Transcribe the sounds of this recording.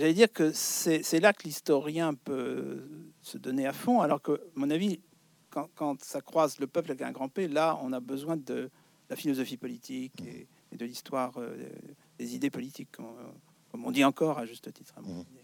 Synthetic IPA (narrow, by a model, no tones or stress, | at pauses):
ʒalɛd̪iʁkəsɛsɛlakəlist̪ɔʁjɛ̃pø | səd̪ɔneafɔ̃alɔʁkəamɔ̃navi | kɑ̃kɑ̃t̪sakχwazləpœplavɛkɛ̃ɡʁɑ̃pelaɔ̰̃nabəzwɛ̃d̪ə | lafilɔzɔfipɔlit̪ʰikḛː | d̪əlist̪waʁø̰ | d̪̥ezid̪epɔlit̪ikːɔm | kɔmɔ̰̃d̪iɑ̃kɔʁaʒyst̪ət̪i̥t̪χa̰mɔ̃ine